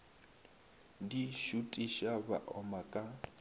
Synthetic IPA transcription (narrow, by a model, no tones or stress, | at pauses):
diʃutʼiʃaba̰ʔɔmakʼa